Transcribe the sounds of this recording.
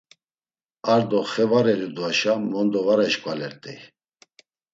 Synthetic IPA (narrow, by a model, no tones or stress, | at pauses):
aɾd̪ɔχɛvaɾɛɾid̪uaʃamɔnd̪ɔvaɾaʃkʼalɛɾt̪ʼi